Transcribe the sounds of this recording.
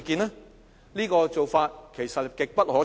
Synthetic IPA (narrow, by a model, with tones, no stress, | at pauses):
kiː˧nlɛː˥ | niː˥kɔː˧t͡so˨wfaː˧t̚kʰe˨˩jsɐ˨t̚kɪ˨k̚pɐ˥t̚hɔː˨˥